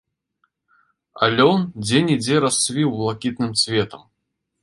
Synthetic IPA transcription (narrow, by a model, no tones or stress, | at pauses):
a̰lʲɔnd͡zʲɛnʲid͡zʲɛɾasvʲiwlˠakʲit̪nɨmsʲvʲɛt̪ɐm